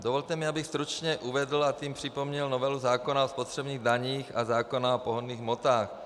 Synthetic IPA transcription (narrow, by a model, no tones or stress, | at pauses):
d̪ovolt̪ɛmɪabɪxst̪ɾut͡ʃɲɛʔuvɛdl̩at̪iːmpr̝̥ɪpomɲɛlnovɛluzaːkonaospot̪r̥ɛbniːɣdaɲiːxazaːkonaopoɦonːiːɣmot̪aːx